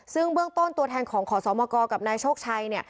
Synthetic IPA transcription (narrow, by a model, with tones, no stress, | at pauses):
sɯ˥˩ŋbɯ˥˩əŋt̪o˥˩nt̪u˧ət̪ʰɛː˧nkʰɔː˩˦ŋkʰɔː˩˦sɔː˩˦mɔː˧kɔː˧ka˨˩p̚naː˧jt͡ɕʰoː˥˩k̚t͡ɕʰa˧jni˥˩ɐ